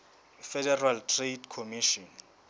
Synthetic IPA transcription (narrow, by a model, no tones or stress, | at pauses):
fɛdɛraltʰredkʰomiʃɔn